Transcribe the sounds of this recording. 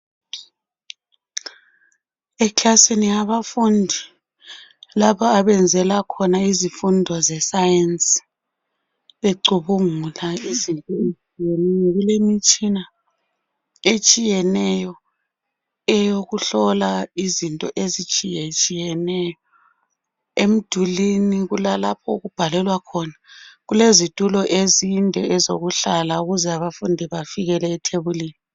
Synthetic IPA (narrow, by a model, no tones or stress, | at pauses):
ɛkʰasinijaβafundʱi | laβɔaβɛnd͡zʱɛlakʰɔnaizifundʱɔzɛsajensʼi̥ | βeǀuβuŋulaizintʼɔet͡ʃʼijɛnɛjɔɣulemit͡ʃʼina | et͡ʃʼijɛnɛjɔ | ɛjoɣuɬɔlaizintʼɔ̰ʔezit͡ʃʼijɛt͡ʃʼijɛnɛjɔ | em̩d̥ʱuliniɣulalap̚ʰɔuɣub̥ʱalɛlwakʰɔnaɣulezitʼulɔʔezindʱɛɛzoɣuɬalauɣuzɛaβafundʱiβafiɣɛlɛːtʰeβuliːni